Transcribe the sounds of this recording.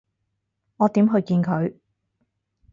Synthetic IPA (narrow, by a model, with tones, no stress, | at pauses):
ŋɔː˨˧t̪iː˨˥mɦɵ˧ɥkiː˧nkʰɵ˨˧ɥ